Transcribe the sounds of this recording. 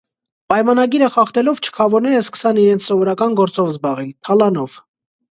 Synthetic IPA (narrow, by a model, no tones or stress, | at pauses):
pɑjmɑnɑɡiɾəχɑχt̪ɛlɔvt͡ʃʰə̥kʰɑvɔɾnɛɾəskə̥sɑniɾɛnt͡sʰsɔvɔɾɑkɑnɡɔɾt͡sɔvzbɑʁit̪ʰɑlɑnɔv̥